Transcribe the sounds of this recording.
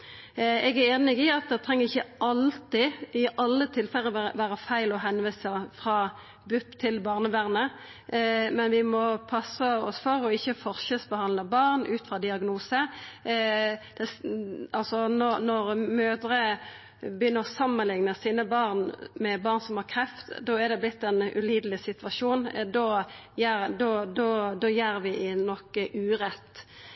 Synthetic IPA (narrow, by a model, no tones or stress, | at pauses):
ɛɡæɾeːnɪɡɪɑt̪̚d̪ɛt̪ʰʁɛŋːəʁɪçːəʔɑlt̪ɪɪʔɑlːət̪ʰɪlfɛlːəʋæːɾəfæɪlɔɦɛnʋiːsəfʁɑː | bʉpt̪ʰɪlbɑːʁnəʋæʁnə | mɛnʋɪmɔpʰɑsəɔsfɔɾɔɪçːəfɔʁʃəsbəhɑnləbɑːʁnʉːt̪fʁɑd̪ɪɑɡnuːsə | d̪̥ɛɑlsɔnɔnɔɾmøːd̪ɾə | bəjʏnːəʁsɑmːənlɪŋnəsiːnəbɑʁnmɛbɑːʁnsɔmhɑʁkʰʁɛft̪d̪ɔɛd̪ɛblɪt̪ːɛnʉ̰liːd̪əlɪsɪt̪ʋɑʂuːnd̪ɔjæd̪ɔd̪ɔd̪ɔjæːɾʋɪɪnɔkːəʔʉːʁɛt̪ː